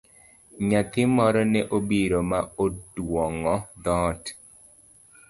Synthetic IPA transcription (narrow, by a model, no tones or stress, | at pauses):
ɲat̪ɪmɔɾɔnɛʔobiɾomaodwɔŋɔd̪ɔːt